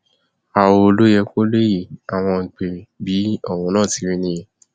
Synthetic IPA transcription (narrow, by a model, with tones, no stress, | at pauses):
a˨wo˧o˧lo˦jɛ˧ko˦le˦ji˦˨a˨w̃ɔ̃˧ŋ̩˨k͡pe˨bi˨˦ɔ˦˨w̃ɔ̃˨˧nãː˦˨ti˧˦ɾĩ˦nĩ˧˦ji˨